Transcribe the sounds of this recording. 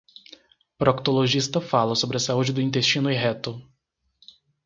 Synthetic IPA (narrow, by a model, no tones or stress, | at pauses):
pɾok̚t̪oloʒist̪ɐfalɐsobɾɪɐsaud͡ʒɪd̪ʊĩnt̪est͡ʃĩnʊɪɦɛt̪ʊ